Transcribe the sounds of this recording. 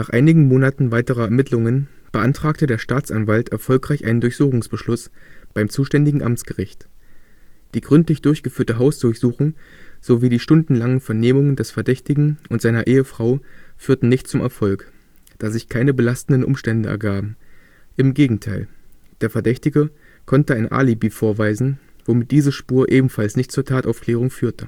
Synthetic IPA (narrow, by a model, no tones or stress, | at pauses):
naːχʔa̰ɪnɪɡŋ̩moːnatn̩vaɪtəʁɐɛɐmɪtʰlʊŋən | b̥əʔantʁ̥aːk̚tədeːɐʃtaːt͡sʔanvaltɛɐfɔlkʁ̥aɪçʔaɪnəndʊɐçz̥uːχʊŋsb̥əʃlʊsb̥aɪmt͡suːʃtɛndɪɡŋ̩ʔamt͡sɡ̥əʁɪçt | d̥iːɡʁʏntlɪçd̥ʊɐçɡ̥əfyːɐtəɦaʊsd̥ʊɐçz̥uːχʊŋz̥oviːdiːʃtʊndn̩laŋənfɛɐneːmʊŋəndɛsfɛɐdɛçtɪɡŋ̩ʔʊntz̥aɪnɐʔeːəfʁ̥aʊfyːɐtn̩nɪçtt͡sʊmʔɛ̰ɐfɔlk | d̥aːzɪçkʰaɪnəbəlastn̩dən̩ʔʊ̰mʃtɛndəʔɛ̰ɐɡaːbm̩ | ʔɪmɡeːɡŋ̩tʰaɪld̥eːɐfɛɐdɛçtɪɡə | kʰɔntəaɪnʔa̰ːlibiːfoːɐvaɪzn̩v̥omɪt̚d̥iːzəʃpuːɐʔeːbm̩falsnɪçt̚t͡suːɐtʰaːtʔaʊfkʰl̥ɛːʁ̞ʊŋfyːɐtə